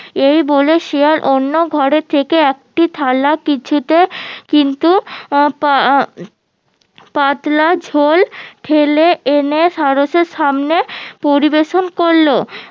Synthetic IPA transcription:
ejboleʃeaɾʔonːoɡʱɔɾet̪ʰːekeɛk̚ʈit̪ʰalakit͡ɕʰut̪ekint̪upa | pat̪lad͡ʑʱolʈʰeleeneʃaɾoʃeɾʃamnepoɾibeʃonkoɾlo

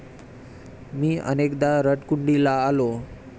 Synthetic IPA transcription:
miːʔə̰nekd̪aɾəʈkuɳɖilaːlo

